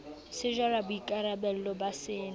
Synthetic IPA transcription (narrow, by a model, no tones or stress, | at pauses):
sɪʒwarabʊikʼaɾabɛl̩ɔbasɪːn